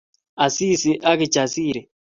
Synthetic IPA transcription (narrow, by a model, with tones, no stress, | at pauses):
a˨si˦si˨ʔa˦ki˨d͡ʒa˨siː˨ɾɛ˨